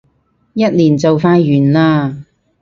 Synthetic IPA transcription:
jɐ˥t̚liː˨˩nt͡sɐ˨wfaː˧jɥyː˨˩nlaː˧

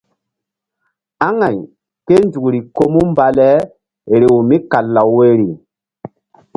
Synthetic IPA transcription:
a˦ŋa˨ɲ | ke˦ndu˨ɾi˨ko˦mu˦mba˨lɛ˦ | ɾe˨wu˨mi˦ka˨lːa˨wwe˦ɾi˨

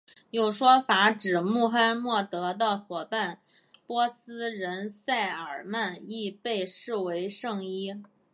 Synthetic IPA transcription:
jo˥˩ʊʂwɔ˥fa˧˥ʈ͡ʂɻ̩˨˩mu˥˩xa˥nmwɔ˥˩t̪ɤ˧˥d̪ə˧˩xwɔ˨˩pa˥˩n | pwɔ˥sɹ̩˥ɻə˧˥nsa˥˩ɪə˞˨˩ma˥˧ni˥˧pe˥˧ɪʂɻ̩˥˩we˧˥ɪʂɤ˥˩ŋi˥

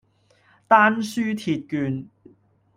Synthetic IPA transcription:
t̪aː˥nsyː˥t̪ʰiː˨t̚kyː˧n

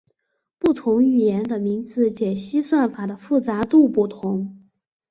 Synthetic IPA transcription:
pu˥˩t̪ʰʊ˧˥ŋy˨˩jɛ˧˥nd̪ə˧mi˧˥ŋt͡sɹ̩˧˥t͡ɕjɛ˨˩ɕi˥swa˥˩nfa˨˩d̪ə˦fu˥˩t͡sa˧˥t̪u˥˧pu˥˩t̪ʰʊ˧˥ŋ

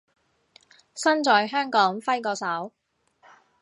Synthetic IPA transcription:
sɐ˥nt͡sɔː˨˧jɦœː˥ŋkɔː˨˥ŋfɐ˥jkɔː˧sɐ˨˥w

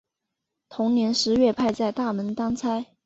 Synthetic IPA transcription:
t̪ʰʊ˧˥ŋnjɛ˧˥nʂɻ̩˧˥ɥɛ˥˧pʰa˥˧ɪt͡sa˥˧ɪt̪a˥˩mə˧˥nt̪ɑ˥ŋt͡sʰa˥ɪ

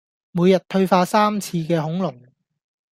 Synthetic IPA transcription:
muː˨˧jɐ˨t̚t̪ʰɵ˧ɥfaː˧saː˥mt͡sʰiː˧kɛː˧ɦʊ˨˥ŋlʊ˨˩ŋ

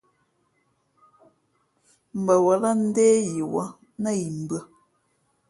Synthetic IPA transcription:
m̩˨bə˨wə˨lə˦n̩˦deː˦ji˨wɔ̰˨˦ | nə˦ji˨m̩˨bə˦

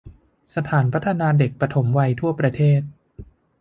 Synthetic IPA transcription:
sa˧t̪ʰaː˩˦npʰa˦˥t̪ʰːa˧naː˧de˨˩k̚pɾa˧t̪ʰo˩˦mwa˧jt̪ʰu˥˩ɐpɾa˧t̪ʰeː˥˩t̪̚

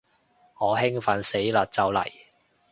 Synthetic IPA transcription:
ŋɔː˨˧ɦɪ˥ŋfɐ˨˧nse˨˥jlɐː˨t̚t͡sɐ˨˧wlɐ̰˨˩j

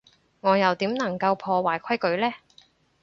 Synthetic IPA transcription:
ŋɔː˨˧jɐ˨wt̪iː˨˥mnɐ˨˩ŋkɐ˧wpʰɔː˧waː˨˩jkʰɐ˥jkɵ˨˧˥ɥlɛː˥

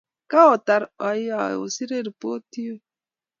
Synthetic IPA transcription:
ka˦ɔ˨ta˨ɾa˨ja˨o̰˨si˦ɾe˦ɾi˨po˦ti˦o˦

